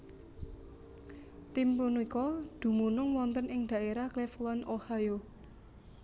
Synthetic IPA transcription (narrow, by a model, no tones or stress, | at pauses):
t̪impunuikɔd̪̥ṳmunʊŋwɔnt̪ənɪŋd̪̥ä̤ʔeɾahkleflɔnohajo